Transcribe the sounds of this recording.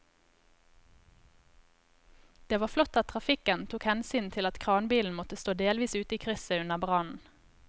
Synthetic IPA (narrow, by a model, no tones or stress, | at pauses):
d̪̥eːʋɑːflɔt̪ɑt̪̚ʰʁɑfɪkənt̪ʰuːkhɛnsyːnt̪ʰɪlɑt̪kʰʁɑːnbiːln̩mɔt̪əst̪oːd̪eːlʋiːsʉːt̪əiːkʰʁʏsəʉnəʁbʁɑnn̩